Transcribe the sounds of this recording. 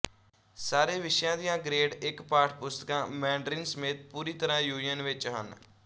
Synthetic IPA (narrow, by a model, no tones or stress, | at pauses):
saːɾeːʋɪʃjãːd̪ijãːɡɾeːɖɪkpaːʈʰpʊst̪əkãːmɛ̃ːɳɖɾɪnsəmeːt̪̚puːɾiːt̪əɾãːjuːnɪjənʋɪt͡ʃɦə̰n